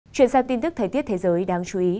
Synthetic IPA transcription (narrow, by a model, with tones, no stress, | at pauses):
t͡ɕwi˧˩ənsaː˧ŋt̪i˧nt̪ɨ˦˥əː˨˩jt̪i˦˥ət̚t̪ʰe˨˦zəː˨˦jɗaː˧ŋt͡ɕu˨˦ʔi˨˦